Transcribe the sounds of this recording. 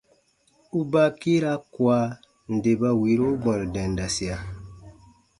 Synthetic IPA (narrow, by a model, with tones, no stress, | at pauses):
u˦ba˦ki˦ɾa˦kwa˦ | n̩˨de˨ba˦wi˨˦ɾo˦ɡ͡bɔ̃˨dɛ̃˨n˨da˨si˨a˨